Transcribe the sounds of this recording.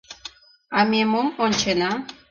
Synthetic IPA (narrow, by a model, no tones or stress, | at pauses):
amʲemomonʲt͡ɕenɑ